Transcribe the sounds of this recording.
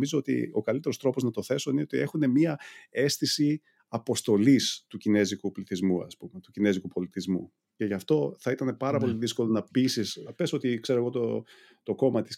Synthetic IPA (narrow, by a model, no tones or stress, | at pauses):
mizo̞o̞t̪ḭo̞kɐlit̪e̞ɾost̪ɾo̞poznɐt̪o̞θe̞so̞ineot̪ie̞xunemiɐe̞st̪isi | ɐpo̞st̪o̞list̪ucine̞zikupliθizmuɐ̰spumet̪ucine̞zikupo̞lit̪izmṵ | ce̞ʝɐft̪o̞θɐit̪ɐne̞pɐɾɐpo̞liðisko̞lo̞nɐpisisɐpe̞so̞t̪ikse̞ɾoɣo̞t̪o | t̪o̞ko̞mɐt̪i̥s